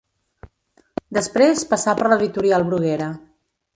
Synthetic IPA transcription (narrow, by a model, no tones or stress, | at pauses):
d̪əspɾespəsapəɾləðit̪uɾialˠβɾuɣɛɾə